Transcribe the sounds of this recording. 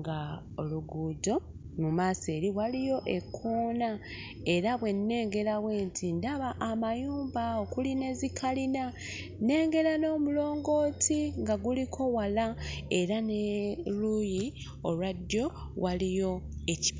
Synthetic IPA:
ɡa | oluɡuːdo̞mumaːse̞ːɾiɣwalijo̞ʔe̞kʰoːna | e̞ɾaβwe̞nːe̞ːŋɡe̞ɾawe̞ːntʰindaβaʔːmajuːmbaokuline̞zikʰalina | ne̞ːŋɡe̞ɾano̞ːmulo̞ːŋɡo̞ːtʰiŋɡaɡulikʰo̞walae̞ɾaneɾuji | o̰ladjo̞ | walijo̞e̞ci

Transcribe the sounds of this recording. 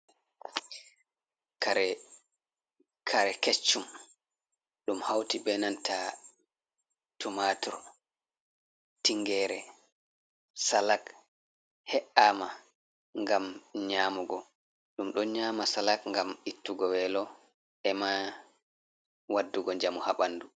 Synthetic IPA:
kaɾ | kʰaɾɛket͡ʃːum | ɗumhawtibɛnantʰa | tumatɔɾ | tiŋɡɛːɾɛ | salak | hɛʔaːma | ŋɡamɲaːmuɡɔ | ɗumɗɔɲaːmasalakŋɡamitːuɡɔwɛlɔ | ʔɛma | wadːuɡɔɲd͡ʒamuhaɓandu

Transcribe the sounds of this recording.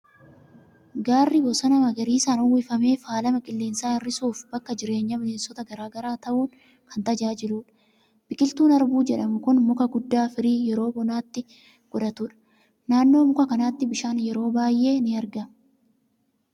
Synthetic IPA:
ɡaːrːɪbɔsɐnɐmɐɡɐɾiːsaːnʊwɪfɐme̞ːfaːlɐmɐkʼɪlːeːnsaːɪrːɪsuːfbɐkːɐd͡ʒɪɾe̞ːɲːɐmɪle̞ːnsɔt̪ɐɡɐɾaːɡɐɾaːt̪ɐʔuːn | kʰɐnt̪ɐd͡ʒaːd͡ʒɪluːᶑɐ̥ | b̥ɪkʼɪlt̪uːnɐɾbuːd͡ʒɛᶑɐmʊkʊnmʊkɐɡʊd̪ːaːfɪɾiːjɛɾo̞ːbɔnaːt̪ːɪ | ɡ̥ɔᶑɐt̪ʊᶑɐ̥ | naːnːo̞ːmʊkɐkɐnaːt̪ːɪbɪʃaːnjɛɾo̞ːbaːjʔe̞ːnɪɐɾɡɐm

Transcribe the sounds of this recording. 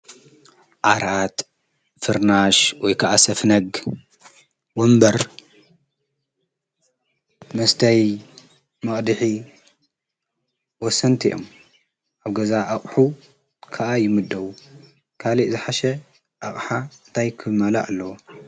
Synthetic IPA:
ʔaɾʔat̪ | fɨɾnaʃwɔjkʰaʔasɐfnɐɡ | wɔmbɐɾ | mɐst̪ʰɐj | mɐχʼd̪ɨħi | wɔsɐnt̪ʰiʔo̰m | ʔaβɡɐzaʔaχʼħu | kʰɐʔajɪmɨd̪ːɐwu | kʰaliʔzɨħaʃɐ | ʔaχʼħant̪ʰajkʰɨmala̰ʔalːɐwo

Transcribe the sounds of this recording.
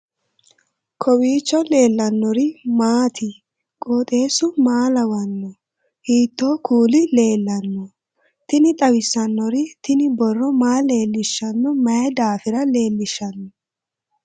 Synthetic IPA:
kʰɔwiːt͡ʃːɔle̞ːlːɐnːɔɾɪmaːt̪ʰɪ | kʼoːt̪ʼe̞ːsʊmaːlɐwɐnːɔ | hiːt̪ːoːkʰuːlɪle̞ːlːɐnːɔ | t̪ɪnɪt̪ʼɐwɪsːɐnːɔɾɪt̪ɪnɪbɔrːɔmaːle̞ːlːɪʃːɐnːɔmɐjɛd̪aːfɪɾɐle̞ːlːɪʃːɐnːɔ

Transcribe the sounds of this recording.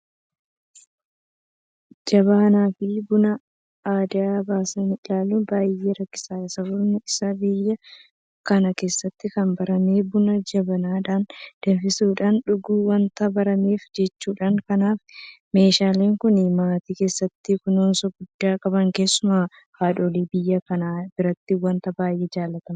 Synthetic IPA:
d͡ʒɐbɐɐnaːfɪbʊnɐ | aːd̪ɪaːbaːsɐnɪɪlaːlːubaːjːeːɾɐkːɪ̥saːɪsɐbʊɾnɪɪsabɪjːɐ | kɐnɐke̞ːsːɐt̪ːɪkɐmbɐɾɐme̞ːbʊnɐd͡ʒɐbɐnaːᶑaːnd̪̥ɛnfɪsuːᶑaːnᶑʊɡuːwɐnt̪ɐbɐɾɐme̞ːfd͡ʒɛt͡ʃːuːᶑaːŋkɐnaːf | me̞ːʃaːle̞ːŋkʊnɪmaːt̪iːke̞ːsːɐt̪ːɪkʊnoːnsɔɡʊd̪ːaːkʼɐbɐŋke̞ːsːʊma | haːᶑoːliːbɪjːɐkɐnaːbɪɾɐt̪ːɪwɐnt̪ɐbaːjʔeːd͡ʒaːlːɐt̪ɐmɐ

